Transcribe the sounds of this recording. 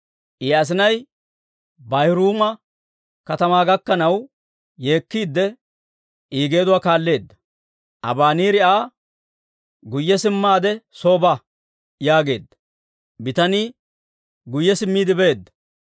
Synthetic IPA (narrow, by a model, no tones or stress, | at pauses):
ʔias̬ɪnɐj | bɐjɾuːmɐ | kɐt̪ɐmaːɡɐkːɐnɐw | je̞ːkːiːd̪ːɛ | iːɡe̞ːd̪ʊwaːkaːlːe̞ːd̪ːɐ | ʔɐ̰baːniːɾɪʔaː | ɡʊjːɛsɪmːaːd̪ɛso̞ːbɐ | jaːɡe̞̰ːd̪ːɐ̥ | bɪt̪ɐniː | ɡʊjːɛsɪmːiːd̪ɪbeːd̪ːɐ̥